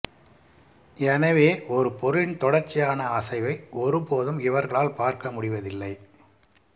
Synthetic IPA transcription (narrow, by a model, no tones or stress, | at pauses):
ɛnɐʋeːʔɔɾɯpɔɾɯɪnt̪ɔɽɐɾt͡ʃːɪjaːnɐɐsɐɪʋɐɪɔɾɯpoːðɯmɪʋɐɾɣɐɭaːlpaːɾkɐmʊɽɪʋɐðɪlːɐɪ